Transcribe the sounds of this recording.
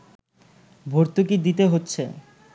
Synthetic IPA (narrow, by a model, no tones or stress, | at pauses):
bʱoɾt̪uk̬id̪it̪eɦotːɕʰe